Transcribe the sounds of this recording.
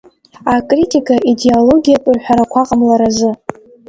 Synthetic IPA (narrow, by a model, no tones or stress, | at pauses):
akʼritʼikʼaʔideolo̞ɡʲijapʼɨrħʷᶣaɾakʷʰaqʼamlaɾazɨ